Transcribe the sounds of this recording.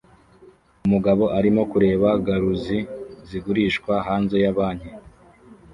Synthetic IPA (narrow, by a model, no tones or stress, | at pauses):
umuɡaβo̞ʔaɾimo̞kuɾe̞ːβaɡaɾuziziɡuɾiːʃkwaɦaːnze̞jaβaːɲhe